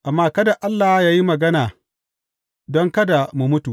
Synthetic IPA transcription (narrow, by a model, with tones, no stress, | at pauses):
ʔa˨mːaː˦kɐ˦da˨ʔa˦lːaː˨hjaː˦ji˦mɐ˨ɡɐ˦naː˨ | dɔ˦ŋkɐ˦da˨mu˨mʊ˦tu˨ʔ